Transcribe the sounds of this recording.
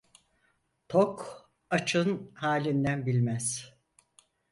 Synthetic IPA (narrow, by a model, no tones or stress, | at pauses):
t̪ʰok | at͡ʃʰɯnhaːlʲind̪ænbilʲmæz̥